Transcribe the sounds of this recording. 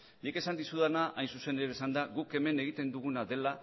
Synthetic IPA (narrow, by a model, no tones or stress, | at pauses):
nike̞sand̪isuðanaʔajnsuse̞neɾesand̪aɣuke̞me̞ne̞ɣ̞it̪e̞nd̪uɣ̞unaðe̞la